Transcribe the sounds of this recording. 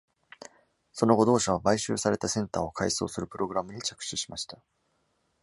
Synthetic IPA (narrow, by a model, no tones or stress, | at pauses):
so̞noɡo̞d̪o̞ːɕaβ̞abaiɕɨ̰ːsaɾe̞t̪asẽ̞nt̪aːo̞kʰaiso̞̰ːsɨɾɯ̟pɯ̟ɾo̞ɡɯ̟ɾamɯ̟ɲ̟it͡ɕḁkɯ̟̥ɕɨɕi̥maɕi̥t̪ḁ